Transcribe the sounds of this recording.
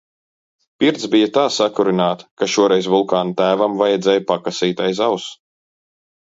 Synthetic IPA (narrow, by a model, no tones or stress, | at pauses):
piɾt̪zbijat̪aːsakuɾinaːt̪kaʃuɔɾɛjsvulˠkaːnt̪æːvamvajɛd̪zʲɛjpakasiːt̪ajzaws